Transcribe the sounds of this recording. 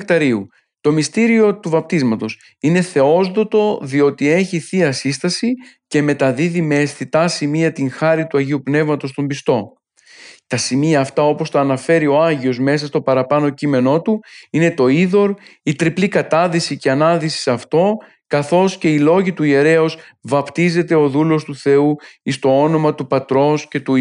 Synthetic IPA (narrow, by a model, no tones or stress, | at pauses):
kt̪ɐɾiu | t̪o̞mist̪iɾio̞t̪uvɐp̚t̪izmɐt̪o̞s | ine̞θe̞o̞zðo̞t̪o̞ðio̞t̪ie̞çiθiɐsist̪ɐsice̞me̞t̪ɐðiðime̞ːsθit̪ɐsimiɐt̪iŋxɐɾit̪uɐʝiupne̞vmɐt̪o̞st̪ombist̪o̞ | t̪ɐsimiɐːft̪ɐo̞po̞st̪ɐːnɐfe̞ɾio̞ɐʝio̞zme̞s̬ɐst̪o̞pɐɾɐpɐno̞cime̞no̞t̪uine̞t̪o̞iðo̞ɾit̪ɾiplikɐt̪ɐðisiceɐnɐðisi̥sɐft̪o̞ | kɐθo̞sce̞ilo̞ʝit̪uie̞ɾe̞os | vɐpt̪ize̞t̪e̞o̞ðulo̞st̪uθe̞uist̪o̞o̞no̞mɐt̪upɐt̪ɾo̞sce̞t̪u